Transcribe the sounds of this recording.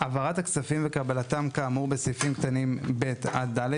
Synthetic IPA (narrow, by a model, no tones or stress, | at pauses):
ʔavaʁat̪aksafimvekabalatamkaːmuʁbesifimkt̪animbet̪adːale